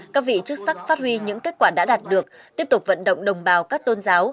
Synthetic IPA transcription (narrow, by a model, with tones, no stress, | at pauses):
kaː˦˥k̚vḭ˧˨t͡ɕɨ˦˥k̚sa˦˥k̚faː˦˥t̚hwi˧ɲɨ̰˧˥ŋke˦˥t̚kwaː˧˩ɗa̰ː˧˥ɗaː˨˩t̚ɗɨ˨˩ək̚t̪i˦˥əp̚t̪ʊ˨˩k͡p̚və̰˧˨nɗə̰˧˨wŋ͡mɗə˨˩wŋ͡mɓaː˨˩wkaː˦˥k̚t̪o˧nzaː˨˦w